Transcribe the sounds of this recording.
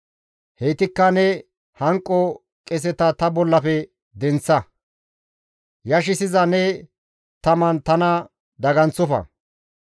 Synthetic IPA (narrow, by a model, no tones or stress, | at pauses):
hejt̪ɪkːɐnɛ | hɐŋkʼːɔ | kʼɛs̬ɛt̪ɐt̪ɐbɔlːɐfɛ | d̪ɛnt͡sːɐ | jɐʃɪsɪzɐnɛ | t̪ɐmɐnt̪ɐnɐ | d̪ɐɡɐnt͡sːʊfɐ̰